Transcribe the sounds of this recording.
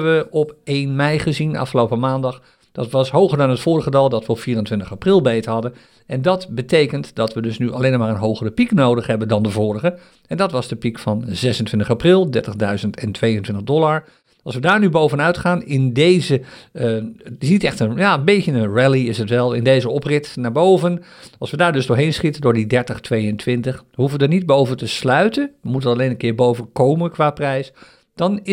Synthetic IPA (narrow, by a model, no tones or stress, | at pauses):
əʋəɔpeːnmɛjχəzinəʔɑ̰fχəlowpəmaːndɑχ | d̥ɑtʋɑsɦowɣəɹdɑnɦətfʊːɹəχədɑlˠdɑtʋəɔpfiːrəntʋɪ̃ntəχaprɪlˠbejthɑdən | ɛndɑtbətʰejkəntd̥ɑtʋədɵsnyʔaleːnɔmaːɹənɦowχərəpiknowdəχɦɛbəndɑndəvʊːrəɣə | ɛndɑtʋɑzdəpikfɑnzɛsəntʋɪntəχaprɪlˠdɛɹtəχdœɥzəntɛntʋejəntʋɪntəʁdɔlˠaɹ | ɑlˠsʋədaːɹnybowvənœɥtχaːnɪndejzə | tɪsnitɛχtənjaːəbejtənənɹɛliɪsətʋɛlˠɪndejzəɔprɪtnaːɹbowvən | ɑlˠsʋədaːɹdɵzdʊːɹɦejnsχitəndʊːɹdidɛɹtəχtʋejəntʋɪntəχɦufəʋədəɹnid̚bowvəntəslœɥtənʋəmutənɑlejnənkɪːɹbowvənkowmənkʋaːprɛjs | d̥ɑnɪ